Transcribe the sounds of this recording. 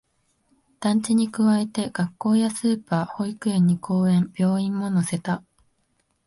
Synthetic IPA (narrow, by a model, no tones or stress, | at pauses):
d̪̥ãɲ̟t͡ɕiɲ̟ikɯ̟βae̞t̪e̞ɡ̥akːo̞ːjasɨːpaːho̞ikɯ̟ẽɲ̟ːikʰo̞ːẽ̞mb̥ʲjo̞ːĩmːo̞no̞se̞t̪a